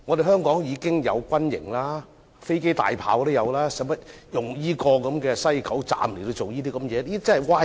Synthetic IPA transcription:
ŋɔː˨˧ɾe˨˩jɦœː˥ŋkɔː˨˥ŋjiː˨˧kɪ˥ŋjɐ̰˨˧wkʷɐ˥njɪ̰˨˩ŋlaː˥ | fe˥jke˥jt̪a̰ː˨jpʰa̰ː˨˥wt̪o˥jɐ˨˧wlaː˥sɐ˨˥mɐ˥t̚ | jʊ˨ŋjiː˥kɔː˧kɐ˨˧˥mkɛː˧sɐ˥jkʰɐ˨˥wt͡sa̰ː˨mle˨˩t̪o˧wt͡so˨wjiː˥t̪iː˥kɐ˨˦mjɛː˨˧iː˥t͡sɐ˥hɐ˨jwaː˧

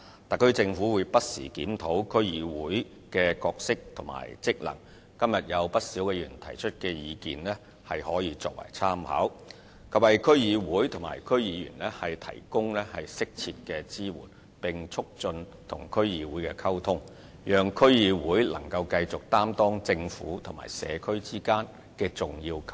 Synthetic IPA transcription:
t̪a˨kʰːɵ˥ɥt͡sɪ˧ŋfuː˨˥wuː˨˧jpɐ˥t̚sḭː˨˩kiː˨˥mt̪ʰo˨˥wkʰɵ˥ɥjiː˨˧wuː˨˥j | kɛː˧kɔː˧k̚sɪ˥k̚t̪ʰʊ˨˩ŋma̰ː˨˩jt͡sɪ˥k̚lɐ̰˨˩ŋ | kɐ˥mjɐ˨t̚jɐ˨˧wpɐ˥t̚siː˨˥wkɛː˧jyː˨˩nt̪ʰɐ˨˩jt͡ʃʰɵ˥t̚kɛː˧jiː˨˧kḭː˨nlɛː˥ | hɐ˨jhɔː˨˥jiː˨˧˥t͡sɔ̰ː˧k̚wɐ̰˨˩jt͡sʰaː˥mha̰ː˨˥w | kʰɐ˨p̚hɐ˨jkʰɵ˥ɥjiː˨˧wuː˨˥jt̪ʰʊ˨˩ŋma̰ː˨˩jkʰɵ˥ɥjiː˨˧jyː˨˩nlɛː˥hɐ˨jt̪ʰɐ̰˨˩jkʊ˥ŋlɛː˥hɐ˨jsɪ˥k̚t͡sʰi˧t̚kɛː˧t͡siː˥wṵː˨˩n | pɪ˨ŋt͡ʃʰʊ˥k̚t͡ʃɵ˧n | t̪ʰʊ˨˩ŋkʰɵ˥ɥjiː˨˧wuː˨˥jkɛː˧kʰɐ˥wt̪ʰʊ˥ŋ | jœː˨˩ŋkʰɵ˥ɥjiː˨˧wuː˨˥jlɐ̰˨˩ŋkɐ˧wkɐ˧jt͡sʊ˨k̚t̪aː˥mt̪ɔː˥ŋt͡sɪ˧ŋfṵː˨˥t̪ʰŋma̰ː˨˩jsɛ̰ː˨˧kʰɵ˥ɥt͡siː˥kaː˥n | kɛː˧t͡sʊ˨ŋjiː˧wkʰ

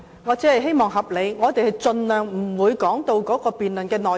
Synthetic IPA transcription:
ŋɔː˨˧t͡siː˨˥hɐ˨jɦe˥jmɔː˨˩ŋɦɐ˨p̚le˨˧jŋɔː˨˧t̪e˨˩jhɐ˨jt͡sɵ˧nlœː˨ŋm̩˨˩wuː˨˧jkɔː˨˥ŋt̪o˧wkɔː˨˥kɔː˧piː˨nlɵ˨nkɛː˧nɔː˨

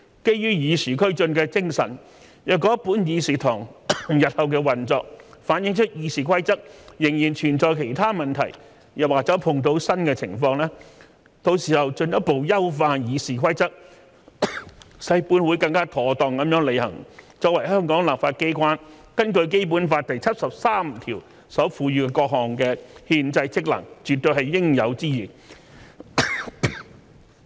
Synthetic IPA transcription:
ke˥jjyː˥jiː˨˧siː˨˩kʰɵ˥ɥt͡ʃɵ˧nkɛː˧t͡sɪ˥ŋsɐ̰˨˩n | jœː˨˩kɔː˨˥puː˨˥njiː˨˧siː˨˩t̪ʰʊ˨˩ŋjɐ˨t̚hɐ˨wk̬ɛː˧wɐ˨nt͡sɔː˧k̚faː˨˥njɪ˨˥ŋt͡ʃʰɵ˥t̚jiː˨˧siː˨kʰɐ˥jt͡sɐ˥k̚jɪ˨˩ŋjiː˨˩nt͡ʃʰyː˨˩nt͡sɔː˨˧jkʰe˨˩jt̪ʰaː˥mɐ˨nt̪ʰɐ̰˨˩j | jɐ˨˩waː˨˩t͡sɐ˨˥pʰʊ˧ŋt̪o˨˥wsɐ˥nkɛ˧t͡sʰɪ̰˨˩ŋfɔː˧ŋlɛː˥ | t̪o˧wsiː˨˩hɐ˨wt͡ʃɵ˧njɐ˥t̚po˨wjɐ˥wfaː˧njiː˨˧siː˨˩kʷʰɐ˥jt͡sɐ˥k̚ | sɐ˧jpuː˧˥nwu˨˧˥jkɐ˧ŋkaː˥t̪ʰɔː˨˩t̪ɔː˨ŋkɐ˨˥mjœː˨˥ŋle˨˧jhɐ̰˨˩ŋt͡sɔː˧k̚wɐ˨˩jhœː˥ŋkɔː˨˥ŋlaː˨p̚faː˧t̚ke˥jkʷwaː˥n | kɐ˥nkɵ˧ɥk̬e˥jpuː˨˥nfaː˧t̚t̪ɐ˨jt͡sʰɐ˥t̚sɐ˨p̚saː˥m˨t̪ʰiː˨˩w | sɔː˨˥fuː˨˧ɥyː˧kɛ˧kɔː˧k̚hɔː˨ŋkɛː˧hiː˧nt͡sɐ˧jt͡sʰɪ˥k̚lɐ̰˨˩ŋt͡ʃyː˨t̪ːɵ˧ɥhɐ˨jːɪ˥ŋjɐ˨˧wt͡siː˥jiː˨˩

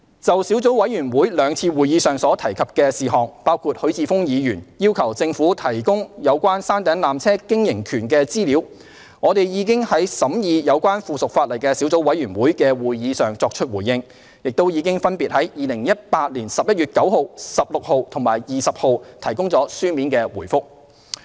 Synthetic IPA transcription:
t͡sɐ˨wsi˨˥wt͡so˨˥wɐ˨˧˥jɥyː˨˩nwuː˨˥jlœː˨˧ŋt͡sʰiː˧wuː˨˩jiː˨˧sœː˨˩ŋsɔː˨˥t̪ʰɐ˨˩jkʰɐ˨p̚kɛː˧siː˨ɦɔː˨ŋpaː˥wkʰuː˧t̚hɵ˨˥ɥt͡siː˧fʊ˥ŋjiː˨˧jyː˨˩njiː˥wkʰɐ˨˩wt͡sɪ˧ŋfuː˨˥t̪ʰɐ˨˩jkʊ˥ŋjɐ˨˧wkʷwaː˥nsaː˥nt̪ɛː˨˥ŋlaː˨mt͡sʰɛː˥kɪ˥ŋjɪ˨˩ŋkʰyː˨˩nkɛː˧t͡siː˥liː˨˥w | ŋɔː˨˧t̪e˨jjiː˨˧kɪ˥ŋhɐ˨˥jsɐ˨˥mjiː˨˧jɐ˨˧wkʷaː˥nfuː˨sʊ˨k̚faː˧t̚lɐ˨˩jkɛ˧siː˨˥wt͡so˨˥wɐ˨˥jɥyː˨˩nwuː˨˥jkɛː˧wuː˨jjiː˨˧sœː˨ŋt͡sɔː˧k̚t͡ʃʰɵ˥t̚wuː˨˩jːɪ˧ŋ | jɪ˨k̚t̪o˥wji˨˧˥kɪ˥ŋfɐ˥npiː˨t̚hɐ˨˥jjiː˨lɪ˨˩ŋjɐ˥t̚paː˧t̚liː˨˩nsɐ˨p̚jɐ˥t̚jyː˨t̚kɐ˨˥who˨wsɐ˨p̚lʊ˨k̚ho˨wt̪ʰʊ˨˩ŋmaː˨˩jjiː˨sɐ˨p̚ho˨˧wt̪ʰɐ˨˩jkʊ˥ŋt͡sɔː˨˥syː˥miː˨˥nkɛː˧wuː˨˩jfʊ˥k̚

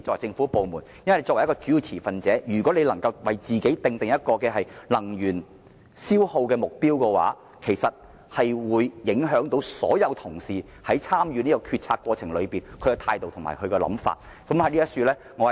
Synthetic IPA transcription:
t͡sɔ˥˧k̚wɐ˨˩jt͡sɪ˧ŋfuː˨˥po˨˧wmuː˨˩njɐ˥nwle˧jɔː˧wjkɔː˧t͡ʃyː˨˥ji˧wt͡sʰiː˨˩fɐ˨nt͡sɛː˨˥jyː˨˩kʷwɔː˨˥le˨˧jlɐ˨˩ŋkɐ˧wwɐ˨jt͡siː˨ke˨˥jt̪ɪ˨˧ŋt̪ɪ˨ŋjɐ˥t̚kɔː˧kɛː˧ɦɐ˨jlɐ˨˩ŋjyː˨˩n | siː˥who˧wkɛː˧mʊ˨k̚piː˥wkɛː˧wa̰ː˨˥ | kʰe˨˩jsɐ˨t̚ | hɐ˨jwuː˨˧jːɪ˨˥ŋɦœː˨˥ŋt̪o˨˥wsɔ̰ː˨˥jɐ˨˧wt̪ʰʊ˨˩ŋsiː˨˩ | hɐ˨˥jt͡sʰaː˥mjyː˨˧niː˥kɔ˧kʰyː˧t̚t͡sʰaː˧kwɔː˧t͡sʰɪ˨˩ŋlɵ˨˧ɥpiː˨nkʰɵ˨˧ɥkɛ˧t̪ʰaː˧jt̪o˨wt̪ʰʊ˨˩ŋma̰ː˨˩jkʰɵ˨˧ɥkɛː˧lɐ̰˨˥mfa̰ː˧t̚ | sɐ˨˥mhɐ˨˥liː˥ɐ˥tsyː˧lɛː˥ | ŋɔː˨˧˨

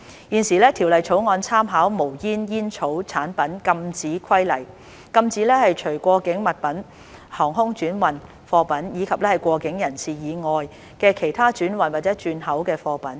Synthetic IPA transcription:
jiː˨˩nsiː˨˩lɛː˥t̪ʰi˨˩wlɐ˨jt͡sʰo˨˥wŋɔː˧nt͡sʰaː˥mɦaː˨˥wmo˨˩wjiː˥njiː˥nt͡sʰo˨˥wt͡sʰaː˨˥npɐ˨˥nkɐ˧mt͡siː˨˥kʰɐ˥jlɐ˨˩j | kɐ˧mt͡siː˨˥lɛː˥hɐ˨jt͡ʃʰɵ˨˩ɥkʷɔː˧kɪ˨˥ŋmɐ˨t̚pɐ˨˥n | hɔː˨˩ŋɦʊ˥ŋt͡ʃyː˨˥nwɐ˨n | fɔː˧pɐ˨˥njiː˨˧kʰɐ˨p̚lɛː˥hɐ˨jkʷɔː˧kɪ˨˥ŋjɐ˨˩nsiː˨jiː˨˧ŋɔː˨˧j | kɛː˧kʰe˨˩jt̪ʰaː˥t͡ʃyː˨˥nwɐ˨nwaː˨t̚t͡sɛː˨˥t͡ʃyː˧nhɐ˨˥wkɛː˧fɔː˧pɐ˨˥n

